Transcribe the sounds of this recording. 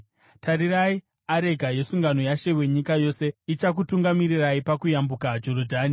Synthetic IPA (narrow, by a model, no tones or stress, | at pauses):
tʰaɾiɾai | aɾe̞ɡʱaje̞suŋɡano̞jaʃe̞we̞ɲikajo̞se̞it͡ʃak̬utuŋɡamiɾiraipakujambukad͡ʒo̞rodʱaːni